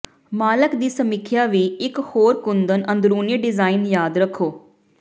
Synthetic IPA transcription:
maːləkd̪iːsəmɪkʰjaːʋiːɪkhoːɾkʊnd̪ənə̃nd̪ɾuːniɖɪzaːɪnjaːd̪ɾəkʰːoː

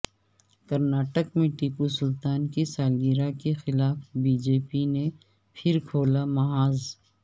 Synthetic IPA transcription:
kɐɾnaːʈəkmẽʈiːpusʊlt̪aːnkisaːlɡiːɾakexɪlaːfbiːd͡ʒeːpine | pʰɪɾkʰoːlamɐɦaːz

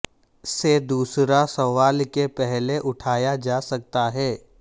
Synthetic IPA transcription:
sed̪uːsɾasɐʋaːlkepɛɦleʔʊʈʰaːjad͡ʒaːsɐk̚t̪aɦɛː

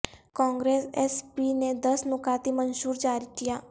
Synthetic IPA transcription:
kãːŋɡɾeːsɛspiːned̪əsnʊkaːt̪iːmənsuːɾd͡ʒaːɾiːt̪ɪjaː

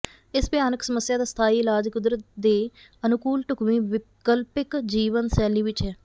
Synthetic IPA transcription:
ɪsbɪjaːnəksəməsːjaːd̪aːst̪ʰaːiːɪlaːd͡ʒkʊd̪ɾət̪̚d̪eː | ənʊkuːlʈʊkmiːʋɪkəlpɪkd͡ʒiːʋənsɛːliːʋɪt͡ʃɦɛː

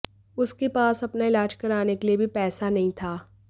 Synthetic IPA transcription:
ʊskepaːsɐpnaɪlaːd͡ʒkɐɾaːnekeliebʱipɛːsanɐɦĩt̪ʰaː

